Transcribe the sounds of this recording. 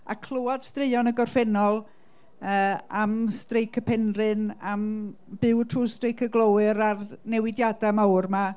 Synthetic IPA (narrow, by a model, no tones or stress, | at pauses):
a̰kʰl̥ˠʊɔd̥strɪɨɔnəɡɔrfɛnɔlˠ | əːamstrejkʰəpʰɛnrɨnamb̥ɪwtʰruːstrejkʰəɡlˠowɨɾarnɛwɪdjadamawrma